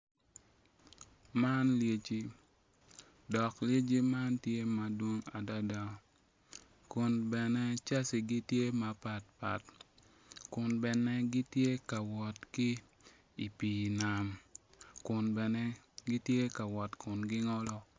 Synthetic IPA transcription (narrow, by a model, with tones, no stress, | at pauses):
ma˦nlje˨t͡ʃi˦ | dɔ˨klje˦d͡ʒi˦ma˦ntje˦ma˨dwo˦ŋa̰˨da˦da˨ | kʊ˨nbɛ˨nɛ˦t͡ʃa˦si˨ɡi˦tje˦ma˨pa˨t̚pa̰˨t | kʊ˨nbɛ˨nɛ˦ɡɪ˦tje˦ka˨wɔ˨tki˦ | i˨piː˨na˨mkʊ˨nbɛ˨nɛ˦ɡi˦tje˦ka˨wɔ˨tkʰʊ˨nɡɪ˦ŋɔ˦lɔ˦